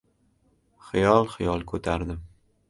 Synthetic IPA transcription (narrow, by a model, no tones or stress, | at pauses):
χɪjɒlˠχɪjɒlˠkʰɵt̪ʰaɾd̪ɪm